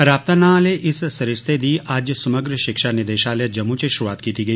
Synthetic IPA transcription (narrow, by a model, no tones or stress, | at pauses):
ɾaːp̚t̪anaːleʔɪssɐɾɪst̪ʰed̪iːʔaːd͡ʒjsɐməɡɾəʃɪkʃanɪd̪eːʃaːled͡ʒɐmːũt͡ʃeʃɾuaːt̪kiːt̪iɡəi